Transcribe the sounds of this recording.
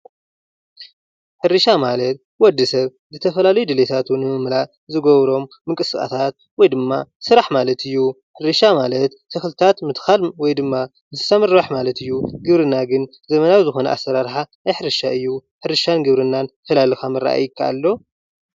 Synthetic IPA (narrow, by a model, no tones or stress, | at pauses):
ħɨɾɨʃamalɐt̪̚ | wɔd̪ːɨsɐβ | zɨt̪ʰɐfɐlalɐjud̪ɨlet̪ʰat̪ʰunɨmɨmlaʔ | zɨɡɐβɾo̞mːɨŋkʼɨskʼa̰t̪ʰat̪̚ | wɔjd̪ɨmːasɨɾaħmalɐt̪ʰɨjːu | ħɨɾɨʃamalɐt̪ːʰɨxɨlt̪ʰat̪mɨt̪xalwɔjd̪ɨmːa | ɨzɨ̥sɐmɨɾbaħmalɐt̪ʰɨjːuɡɨβɾɨnːaɡɨn | zɐmɐnawizɨxo̞nɐʔa̰sɐɾaɾħanajħɨɾɨʃaɨjːuħɨɾɨʃanɡɨβɾɨnːanfɐlalɨxamɐɾa̰ʔa̰jɪkʰːaa̰lːo